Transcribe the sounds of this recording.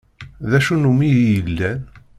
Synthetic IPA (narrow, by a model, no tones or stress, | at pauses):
ðæʃunumijjəlːæn